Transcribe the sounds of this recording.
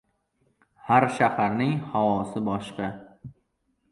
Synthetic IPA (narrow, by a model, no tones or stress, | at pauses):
haɾʃahaɾnɪŋhawɒsɪbɒʃqɑ